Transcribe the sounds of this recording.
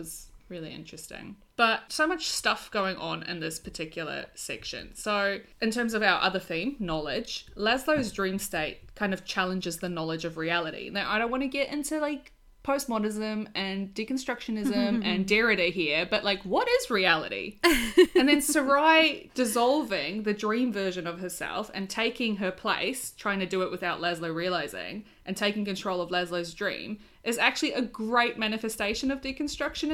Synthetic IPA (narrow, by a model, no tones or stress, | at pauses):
wʌz̥ɹɪlˠiɪ̰̃nt͡ʃɹ̥ɨstɪ̰̃ŋ | b̥ʌt̚soʊmʌt͡ʃstʌfɡ̥oʊɪ̃ŋʔə̃nɪ̰̃nðɪspʰə˞tʰɪkʰjl̩ˠə̰˞sɛ̰kʃɨ̰̃nsoʊ | ɨ̃ntʰɜ̃˞mzʌvaʊə̰˞ʔʌðə˞θĩmnɑlˠɪ̥d͡ʒ̥læzloʊzdɹĩmsteɪt̚kʰãɪ̃ndʌv̥t͡ʃʰælˠə̃nd͡ʒɨzðɨnɑlˠɨd͡ʒʌvɹiælˠəɾḭnãʔaɪɾõʊ̃nʔwɑ̃nɨɡɛɾʔɪ̰̃ntʉlaɪk̚ | pʰoʊst̚mɑɾɪzɨ̃mɨ̃ndikn̩stɹ̥ʌkʃɨnɪzɨ̃mɨ̃ndɛɹɨɾiɦiɹb̥ʌʔlaɪkwʌɾɪzɹiælˠə̰ɾḭ | ɨ̃nðɨ̃nsə˞aɪd̥ɨzɑlˠvɪ̃ŋðɨdɹĩɱvɜ˞ʒɨ̃nʌv̥ə˞sɛ̰lˠfɨ̰̃ntʰeɪkɪ̃ŋə˞pʰl̥ḛɪstʰɹ̥aɪɪ̃ŋtʰɨdɨɪʔ̚wɨθaʊʔˡlɛzləɹiɨlaɪzɪ̰̃ŋ | ʔɨ̃ntʰeɪkɪ̃ŋkɨ̃ntʰɹ̥oʊlˠʌvlɛzləʊzdɹḭ̃m | ʔɨzæk̚t͡ʃʉl̩ˠiʔɨɡɹeɪt̚mæñɨfɨsteɪʃɨ̃nʌvdiknstɹ̥ʌkʃɨ̃n